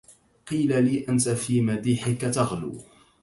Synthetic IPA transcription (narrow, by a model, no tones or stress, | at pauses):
qiːlaliːʔant̪afiːmad̪iːħɪkat̪aɣlṵː